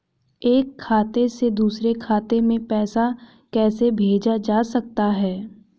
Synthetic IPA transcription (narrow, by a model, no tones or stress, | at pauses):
eːkʰːaːt̪esed̪uːsɾekʰaːt̪emẽpɛːsa | kɛːsebʱeːd͡ʒad͡ʒaːsɐk̚t̪aɦɛː